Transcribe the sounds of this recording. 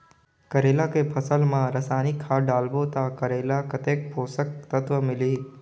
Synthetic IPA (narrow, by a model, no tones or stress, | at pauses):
kəɾeːlakepʰəsəlmãɾəsaːnikʰːaɖaːlbot̪akəɾeːlakət̪eːk̚poːsək̚t̪ət̪ʋəmɪliː